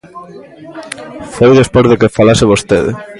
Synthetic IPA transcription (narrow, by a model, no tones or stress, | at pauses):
fojðespozðekefalaseβ̞ost̪eðɪ̰